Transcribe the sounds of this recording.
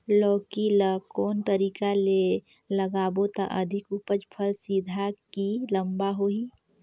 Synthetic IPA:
lɔːkilakɔːnt̪əɾiːkale | ləɡaːbot̪a̰ʔəd̪ʱɪkupəd͡ʒpʰəlsiːd̪ʱakiləmbaɦoːi

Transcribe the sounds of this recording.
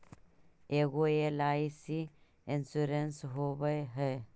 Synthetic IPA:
eɡoelaːisi | insuɾensɦobəjɦəj

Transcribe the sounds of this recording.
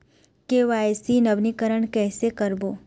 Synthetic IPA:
keʋaesinəʋnikəɾəɳ̃kɛːsekəɾbo

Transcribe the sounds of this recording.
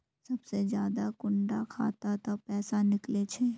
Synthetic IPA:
sɐbsed͡ʒjaːd̪akʊɳɖakʰa̰ːt̪at̪opɛːsanɪklet͡ʃʰeː

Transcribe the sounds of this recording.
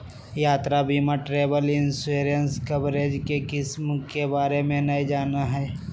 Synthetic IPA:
jaːt̪ɾabʱimaʈɾeːbəlɪnseːɾiənskɐbɾeːd͡ʒkekɪsmkebaːɾemẽnɐid͡ʒaːnaɦɛː

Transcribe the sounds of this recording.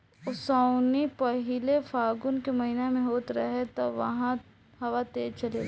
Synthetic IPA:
ʊsaʊnipɐɦɪlefʰaːɡʊnkemɐɦinamẽɦoːt̪ɾɐ̰ɦet̪ɐʋɐ̰ɦã | hɐʋat̪eːt͡ʃɐle

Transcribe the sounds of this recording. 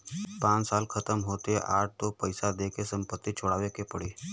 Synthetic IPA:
pãːt͡ʃsaːlkʰət̪əmɦoːt̪eʔa̰ːʈ̚t̪opəɪsad̪eːkesə̃mpət̪ːit͡ʃʰʊɽaːʋekepəɽiː

